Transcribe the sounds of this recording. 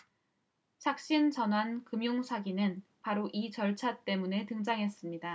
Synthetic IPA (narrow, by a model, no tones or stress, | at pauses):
t͡ɕʰak̚ɕ͈int͡ɕʌnɦwankɯmjuŋsʰaɡinɯn | paɾoʔit͡ɕʌɭt͡ɕʰat͈e̞mune̞tɯŋd͡ʑaŋɦe̞s͈ɯmɲida